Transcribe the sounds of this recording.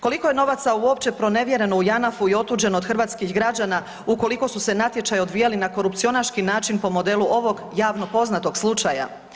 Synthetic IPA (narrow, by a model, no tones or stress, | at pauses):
ko̞liko̞je̞no̞ʋat̪sauo̞pt͡ɕe̞pɾo̞ne̞ʋje̞ɾe̞no̞ujanafuio̞t̪uːd͡ʑenod̪xr̩ʋat̪skixɡɾad͡ʑana | ukoliko̞suse̞nat̪je̞t͡ʃajo̞d̪ʋijalinako̞ɾupt̪sio̞naɾʃkinaːt͡ʃinpo̞mo̞d̪e̞luʔo̞ʋo̞ɡjaːʋno̞po̞znat̪o̞ɡslˠut͡ʃaja̰